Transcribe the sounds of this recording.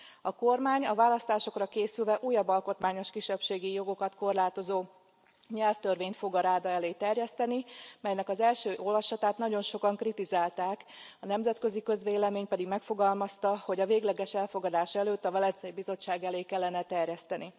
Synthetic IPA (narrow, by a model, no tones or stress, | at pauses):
ɒko̞rmaːɲɒvaːlɒst̪aːʃo̞krɒkeːsylvɛʔuːjɒbːɒlko̞t̪maːɲo̞ʃkiʃːɛpʃeːɡijo̞ɡo̞kɒt̪ko̞rlaːt̪o̞zoː | ɲɛlft̪ørveːɲt̪fo̞ɡɒɾaːd̪ɒɛleːt̪ɛrjɛst̪ɛnimɛjnɛkɒzɛlʃøːʔo̞lvɒʃɒt̪aːt̪nɒɟo̞nʃo̞kɒŋkrit̪izaːlt̪aːkɒnɛmzɛt̪kø̞zikø̞zʋeːlɛmeːɲpɛd̪iɡmɛkfo̞ɡɒlmɒst̪ɒho̞ɟɒveːɡlɛɡɛʃɛlfo̞ɡɒd̪aːʃɛløːt̪ːɒvɒlɛnt̪sɛjibizo̞t͡ʃːaːɡɛleːkɛlːɛnɛt̪ɛrjɛst̪ɛni